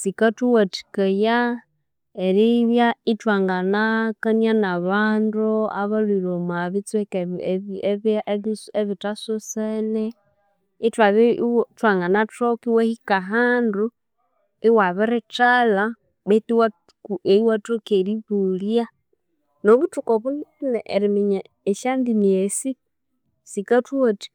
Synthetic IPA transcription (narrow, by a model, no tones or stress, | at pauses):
sikatuwati̥kaja | eɾiβjaitwaŋɡanakanianaβaːnduaβalilomaβit͡swɛk | eββeβitasosenɛ | itwaβitwaŋɡanatokiwehikaɦaːndu | iwaβiɾɛtala | βetiwa | eiwatokeɾiβulja | noβutukoβuniinɛʔeɾimiɲa | eʃandiniesi | sikatwoti̥